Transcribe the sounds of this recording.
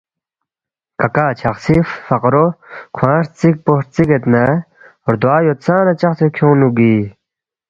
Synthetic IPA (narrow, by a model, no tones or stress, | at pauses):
kɐkaːt͡ɕʰɐχsifːɐqɾokʰwãːɾt͡sik̚poɾt͡siket̪na | oɾd̪waːjot͡sãːnɐt͡ɕɐχsifkʰõːnuɡiː